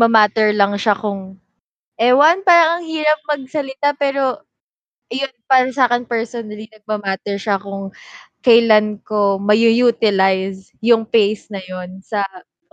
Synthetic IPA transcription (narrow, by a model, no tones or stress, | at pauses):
mɐmaːt̪ɛɹlɐŋʃakʊŋ | ʔɛwɐnpaːɾɐŋɐŋhiːɾɐp̚mɐɡ̚sɐlɪt̪apɛːɾo̞ | jonpaːɾɐsaːkɛnpɛɹsonɐlinɐɡ̚mɐmaːt̪ɛɹʃɐkʊŋkɐjlanko̞mɐjujuːt̪ɪlajs | jʊŋpejsnɐjonsɐ